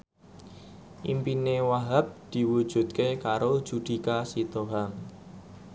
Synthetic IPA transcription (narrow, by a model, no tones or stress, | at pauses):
ʔḭmpinewaɦap̚d̪̥i̤wud̥ʒ̥ṳt̪̚kekaɾod̥ʒ̥ud̪̥i̤kasit̪oɦaŋ